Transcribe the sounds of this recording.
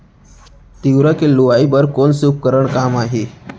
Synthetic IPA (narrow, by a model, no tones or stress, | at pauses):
t̪iwɾakeluʋaibəɾkonsup̚kəɾəɳkamaɦe